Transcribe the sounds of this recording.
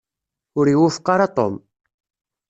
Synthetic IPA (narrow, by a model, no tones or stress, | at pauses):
ʊɾiwufqːɑɾɑt̪ˤo̰m